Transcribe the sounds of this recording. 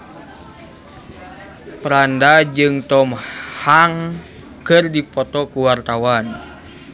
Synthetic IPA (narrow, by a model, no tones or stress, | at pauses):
pɾandad͡ʒɨŋt̪ɔmhaŋ | kɨrdipɔt̪ɔkuwart̪awan